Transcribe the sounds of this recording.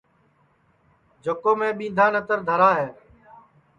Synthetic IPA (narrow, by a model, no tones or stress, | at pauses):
d͡ʒokoːmẽːɓĩːnd̪ʱaːnət̪əɾd̪ʱəɾaːɦeː